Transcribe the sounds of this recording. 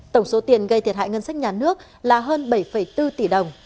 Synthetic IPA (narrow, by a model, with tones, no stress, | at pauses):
t̪ə˧˩wŋ͡mso˨˦t̪i˨˩ənɣə˧jt̪ʰi˨˩ət̚ɦa̰ː˧˨jŋə˧nsa˦˥jk̚ɲaː˨˩nɨ˦˥ək̚ | laː˨˩ɦəː˧nɓə˧˩jfə˧˩jt̪ɨ˧t̪i˧˩ɗə˨˩wŋ͡m